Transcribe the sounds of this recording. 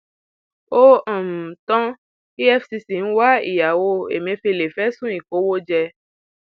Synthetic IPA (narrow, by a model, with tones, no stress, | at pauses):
o˦ɔ̃˨m̩˨t̪ɔ̃˦ | i˦ɛ˦fsi˧si˨n̩˦wa˦ḭ˨ja˨wo˧ḛ˨mẽ˧fe˧le˨fɛ˦sũ˦i˨ko˨˦wo˦d͡ʒɛ˧